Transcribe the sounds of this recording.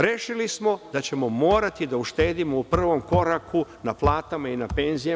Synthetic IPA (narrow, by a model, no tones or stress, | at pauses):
ɾe̞ʃilismo̞d̪at͡ɕe̞mo̞mo̞ːɾat̪id̪auʃt̪e̞ːd̪imo̞upr̩ʋo̞mko̞ɾakʰunaplˠaːt̪amainape̞nzija